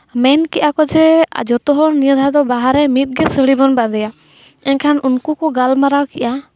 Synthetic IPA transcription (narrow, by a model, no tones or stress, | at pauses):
mɛnkɛʔakɔd͡ʒɛ̰d͡ʒɔt̪ɔɦɔɾnijɔd̪ʱad̪ɔbaɦaɾɛmit̪̚ɡɛsəɭibɔnbad̪ɛja | ɛnkʰanʔunkukɔɡalmaɾawkiʔa